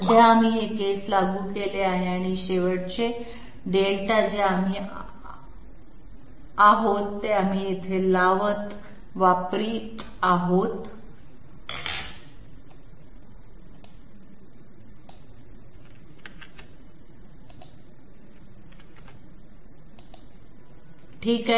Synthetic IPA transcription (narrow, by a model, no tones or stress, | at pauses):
d̪ʱaam̤iːɦekeslaɡuːkeleaɦeaɽ̃iɕeʋəɽt͡ɕe | ɖelʈad͡ʑeam̤iː | aɦot̪ːeam̤iet̪ʰelaʋət̪ | ʋapɾiː | aɦot̪ | ʈʰiːka